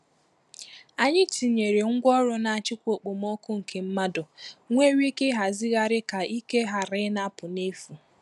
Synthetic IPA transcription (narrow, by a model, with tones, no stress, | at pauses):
a˨ɲɪ˦ti˨ɲe˨ɾe˨ŋ̩˦ɡʷɔ˦ɾʊ˦na˨a˨t͡ʃɪ˦kʷo˨k͡po˨mɔ˦kʊ˦ŋ̩˨kʰe˨m̩˦ma˦dʊ˨ŋʷe˦wi˦ke˦ɦa˨zɪ˦ɣa˦ɾɪ˦ka˨i˦ke˦ɦa˨ɾɪ˦na˦pʊ˨ne˦fu˨